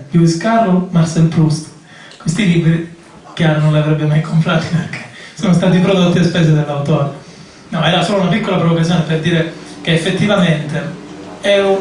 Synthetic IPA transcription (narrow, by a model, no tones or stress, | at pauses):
pjuiskaɾomarsɛlpɾust̪ | kwest̪iliːbɾi | k̟jaːɾonõnleavɾɛbːemajkʰompɾaːt̪i̥perkʰe̥soːnost̪aːt̪ipɾod̪ot̪ːiespɛːsed̪elːawt̪oːɾe | nɔɛːɾasoːlounapikːolapɾevokazjoːneperd̪iːɾek̟eːfːet̪ːivament̪eɛu